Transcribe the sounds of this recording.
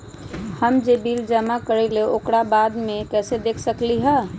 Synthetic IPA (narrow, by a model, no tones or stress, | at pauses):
həmd͡ʒebiːld͡ʒəmakəɾɛleokɽabad̪mekɛːsed̪ekʰsəkliɦɛ